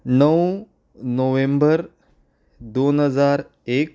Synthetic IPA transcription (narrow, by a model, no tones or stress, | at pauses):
nəw | noʋẽmbəɾ | d̪onɦəd͡zaɾ | ek